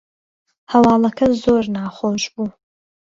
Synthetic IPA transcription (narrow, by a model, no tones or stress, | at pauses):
hawaːlɐkʰɐzoːrnaːχʷoʒbu